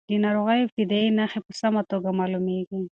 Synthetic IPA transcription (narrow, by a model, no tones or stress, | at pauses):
d̪inaɾoɣajobt̪id̪ainaxepəsamat̪oɡamɑlumeɡi